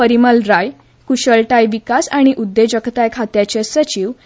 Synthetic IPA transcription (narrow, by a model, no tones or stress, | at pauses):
əɾiməlɾaj | kuɕəɭʈajʋikasaɽ̃iʔud̪ːed͡ʑəkt̪ajkʰat̪jat͡ɕesət͡ɕiʋ